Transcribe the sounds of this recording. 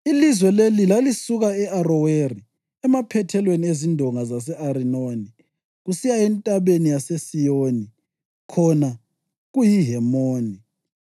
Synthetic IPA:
ilizwɛlelilalisuɣaɛarɔweri | ɛmapʰɛtʰɛlweniezindʱɔŋazas̬ɛʔaɾinoːni | ɣusijaɛntʼaβenijasesijoːni | kʰɔna | ɣujiɦɛmoːni

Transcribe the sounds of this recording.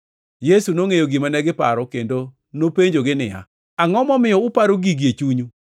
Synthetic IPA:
jesunoŋejoɡimanɛɡɪpa̰ɾɔkendo | nopeɲd͡ʒoɡɪnɪja̰ | aŋɔmɔmɪjɔʊpaɾoɡiɡjet͡ʃuɲu

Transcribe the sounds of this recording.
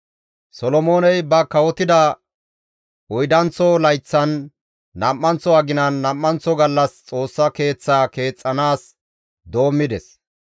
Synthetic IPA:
sɔlɔmo̞ːnɛjbɐkɐwɔt̪ɪd̪ɐ | ɔjd̪ɐnt͡sːɔlɐjt͡sːɐnː | ɐmːɐnt͡sːɔɐɡɪnɐnːɐmːɐnt͡sːɔɡɐlːɐst͡sʼo̞ːsːɐke̞ːt͡sːaːke̞ːt͡sʼːɐnaːs | d̪o̞ːmːɪd̪ɛs

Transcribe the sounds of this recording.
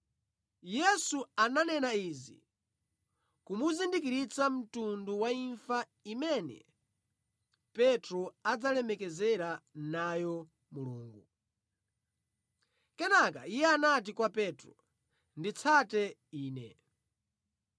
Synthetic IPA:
jɛsuananɛnaizḭ | kumuzindikiɾit͡sam̩tunduwaiɱfa | imɛnɛ̰ | pɛtɾɔad͡zalɛmɛkɛzɛɾanajɔ | muluːŋɡu | kɛnaka̰ijɛanat̬ikwapɛtɾɔ̰ | ndit͡sʰatɛiːnɛ̰

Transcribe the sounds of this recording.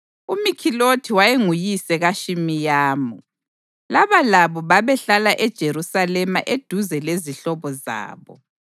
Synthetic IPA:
umikʰilotʰiwajeŋujisɛɣaʃimijaːmu | laβalaβɔβaβɛɬalaʔɛd̥ʒ̥ʱeɾusalɛmaʔed̥ʱuzɛleziɬɔβɔza̰ːβɔ

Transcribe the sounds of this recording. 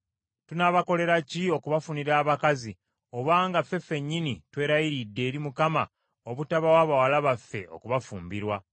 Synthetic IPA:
tunaβako̞le̞ɾacio̞kuβafuniɾaːβakazi | o̞βaːŋɡafːe̞fe̞ɲːinitwe̞ːɾajiɾidːe̞ːɾimukama̰ | oβutaβawaːβawalaβafːe̞̰o̞̰kuβafṵːmbiɾwa

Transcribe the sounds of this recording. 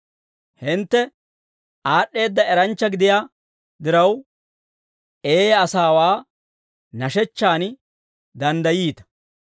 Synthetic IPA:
hɪnt̪ːɛ | ʔaːɗːe̞ːd̪ːɐɛɾɐnt͡ʃːɐɡɪd̪ɪjaː | d̪ɪɾɐw | ʔeːɐsaːwaː | nɐʃɛt͡ʃːaːn | d̪ɐnd̪ɐjiːt̪ɐ̥

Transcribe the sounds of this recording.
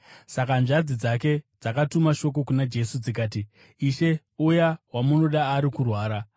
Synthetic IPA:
sakanʐad͡zid͡zake̞d͡zakatumaʃo̞k̬o̞kunad͡ʒe̞sud͡zik̬aːt̬i | iʃe̞ | ujawamuno̞ɗaːɾikurwaːɾa

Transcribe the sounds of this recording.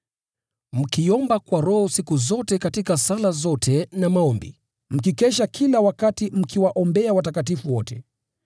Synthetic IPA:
m̩kiɔmbakwaɾɔhɔsikuzɔtɛkatikasalazɔtʰɛnamaɔmbḭ | m̩kikɛʃakʰilawakatim̩kiwaʔɔmbɛawatakatifuwɔtɛ

